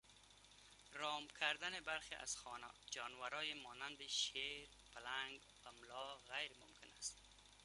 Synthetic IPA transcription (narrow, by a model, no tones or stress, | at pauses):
ɾɔmkʰaɾd̪anɪbaɾxeʔa̰z̥xɔna̰d͡ʒɒnwaɾɔːjemɔnand̪ɪʃeɾ | palaŋɡ | bamlɔɣajɾmʊmkʰɪnast̪